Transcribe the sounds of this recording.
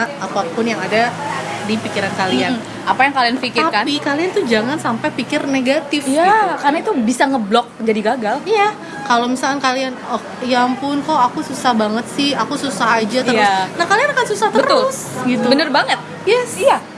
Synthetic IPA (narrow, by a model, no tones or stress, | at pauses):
papʊnjaŋadadipikiɾankalian | apajaŋkalianfikɪrakanpikaliant̪ud͡ʒaŋansampapikɪrneɡat̪ɪfjakarnait̪ubisaŋəblɔk̚d͡ʒadiɡaɡalija | kalomisalkankalianəh | jaŋpʊnkoakususahbaŋət̪̚sɪhakususaɦad͡ʒat̪əɾʊnahkalianakansusaht̪əbəɾʊls | ɡit̪ubənərbaŋət̪̚ | jɛsija